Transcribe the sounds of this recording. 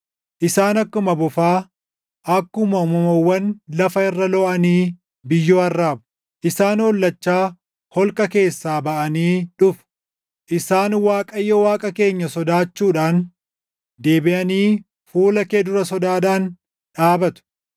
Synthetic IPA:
ʔɪsaːnɐkːʊmɐbʊfaː | ʔɐkːʊmɐʊmɐmɐwːɐnlɐfɐɪrːɐlɔʔɐniː | bɪjːoːɐrːaːbʊ̥ | ʔɪsaːnhɔlːɐt͡ʃːaː | hɔlkʼɐke̞ːsːaːbɐʔɐniːᶑʊfʊ̥ | ʔɪsaːnwaːkʼɐjːɔwaːkʼɐke̞ːɲːɐsɔd̪aːt͡ʃːuːᶑaːn | d̪e̞ːbɪʔɐniː | fuːlɐked̪ʊɾɐsɔd̪aːɗaːn | ᶑaːbɐt̪ʊ̥

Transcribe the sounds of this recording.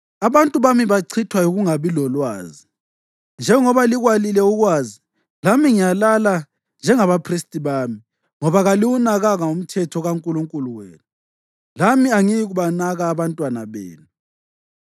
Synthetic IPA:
aβantʼuβamiβaǀʰitʰwajuɣuŋaβilɔlwa̰ːzi | nd͡ʒʱɛŋɔβaliɣwalilɛuɣwaːzi | lamiŋijalala | nd͡ʒʱɛŋaβapʰristʼiβaːmi | ŋɔβaɣaliwunaɣaɣaum̩tʰɛtʰɔɣaŋkʼuluŋkʼuluwḛːnu | lamiaŋijiɣuβanaɣaːβantʼwana̰βḛːnu

